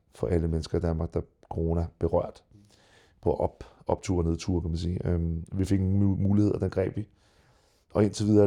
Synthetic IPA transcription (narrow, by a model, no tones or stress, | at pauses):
fɒ̽ʔæləmenəsɡ̥ɐid̥ænmɑ̈ːɡ̥̚d̥ɑ̈ | kʰo̝ʁo̝næb̥e̝ʁɶɐ̰d̥ | pʰɒ̽b̥ɒ̽b̥̚t͡sʰuɐneð̰ˠt͡sʰuɐ̰kʰæmænsiːøʋife̝ɡ̥muːlihe̝ð̞̰ˠɐd̥enɡ̥ʁɛ̰ːb̥ʋi | ʔɒ̽e̝nt͡sʰeʋiðˠɐ